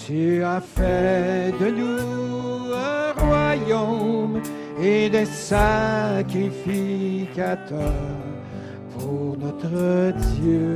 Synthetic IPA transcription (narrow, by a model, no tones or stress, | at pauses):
t̪əafɛd̪ənu | ə̃ʁwajom | ed̪esakʁifikat̪ʰœʁ | puuʁnɔt̪ʁəd̪jø